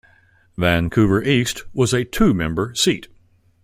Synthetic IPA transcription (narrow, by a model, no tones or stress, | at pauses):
væ̃nkʰʉvə˞ʔist̚wʌzɨtʰʉmɛ̃mbə˞sit̚